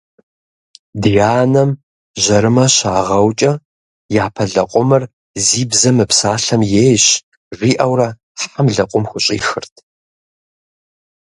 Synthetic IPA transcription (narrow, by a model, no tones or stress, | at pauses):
dijaːnɐm | ʑɐɾɨmɐɕaːʁɐwt͡ʃʼɐ | jaːpʰɐɮɐqʷʼʊmɨr | ziːbzɐmɨpsaːɬɐmjeːjɕ | riːʔɐwrɐ | ħħamɮɐqʷʼʊmxʷʊɕʼḭːxɨrtʰ